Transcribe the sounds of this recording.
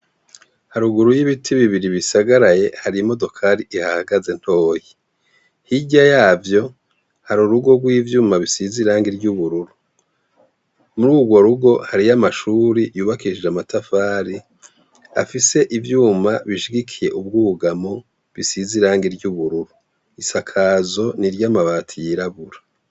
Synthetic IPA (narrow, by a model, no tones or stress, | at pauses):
haɾuɡuɾujiβitʰiβiβiɾiβisaɡaɾaje̞haɾimo̞do̞kʰaɾiʔihahaɡaze̞n̥ho̞ːji | hiɟajaːvjo̞ | haɾuɾuɡo̞ɡwiːvjuːmaβisiziɾaːŋɡiɾɟuβuɾuɾu | muɾuːɡwo̞ɾuɡo̞haɾijamaʃuːɾijuːβakiʃid͡ʒamatafaːɾi | a̰fise̞ʔivjuːmaβiʃiɡikʰije̞ʔub̚ɡuuɡamo̞ | βisiziɾaːŋɡiɾɟuβuɾuɾu | isakʰaːzo̞niɾjamaβaːtʰijiɾaβuɾḁ